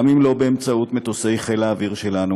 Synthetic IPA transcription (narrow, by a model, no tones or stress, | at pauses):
amimlo̞beːmt͡saut̪met̪ose̞jχe̞laːviʁʃe̞lanu